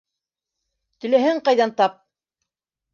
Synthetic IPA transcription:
t̪ɵ̆læɦæŋqɑjðɑnt̪ɑp̚

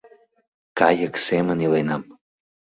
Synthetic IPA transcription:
kɑjəksemənilenɑm

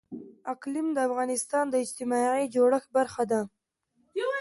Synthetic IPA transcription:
aklɪmd̪əafɣɑnɪst̪ɑnd̪əɪd͡ʒt̪ɪmɑʕid͡ʒoɽəxbaɾxad̪a

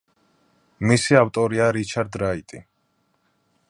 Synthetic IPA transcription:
misiawt̪ʼɔɾiaɾit͡ʃʰaɾd̪ɾait̪ʼi

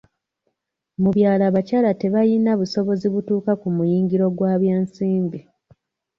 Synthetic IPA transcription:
muβjaːlaβacaːlate̞βajinaβuso̞βo̞ziβutuːkakumujiːŋɡiɾo̞ɡwaːβjeːnsiːmbi

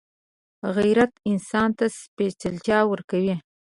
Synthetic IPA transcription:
ɣajɾat̪ɪnsɑnt̪aspet͡sɪlt͡ʃɑwəɾkawi

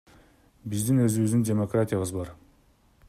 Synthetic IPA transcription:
bɪzd̪ɪnɵzɪbɪzd̪ɪŋdʲe̞mo̞kratʲijabəzbɑɾ

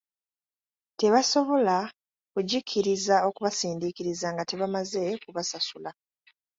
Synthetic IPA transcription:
te̞βaso̞βo̞la | kuɟikʰːiɾizao̞kuβasiːndikiɾizaŋɡate̞βamaze̞kuβasasula

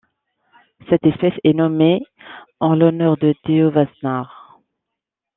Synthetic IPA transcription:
sɛt̪ɛspɛsɛnɔme | ɑ̃lɔnœʁd̪ət̪eovasnaʁ

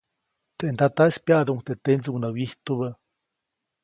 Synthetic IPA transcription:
t̪eʔnd̪at̪asʲpjaʔd̪uŋt̪et̪end͡zuŋnawiht̪uβa

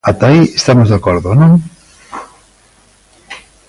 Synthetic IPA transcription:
at̪aiest̪amozðakɔɾðʊnõŋ

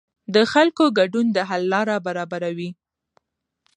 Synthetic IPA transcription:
d̪əxalkoɡaɖund̪əɦalːɑɾabaɾɑbaɾawi

